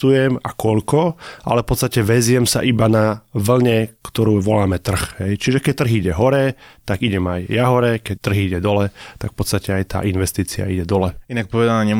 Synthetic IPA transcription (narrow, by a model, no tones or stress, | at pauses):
t̪ujɛmakɔʎkɔʔa̰lɛfpɔt̪st̪acɛʋɛzɪɛmsa̰ʔibanaʋl̩ɲɛkt̪ɔɾuːʋɔlaːmɛt̪r̩xɦɛjt͡ʃiʒɛkɛc̚t̪r̩ɣiɟɛɦɔɾɛt̪aɡiɟɛmajjaɦɔɾɛkɛc̚t̪ːr̩ɦɣiɟɛd̪ɔlɛt̪akfpɔt̪st̪acɛajt̪a̰ːʔinʋɛst̪iːt͡sia̰iɟɛd̪ɔlɛinak̚pɔʋɛd̪anaːɲɛ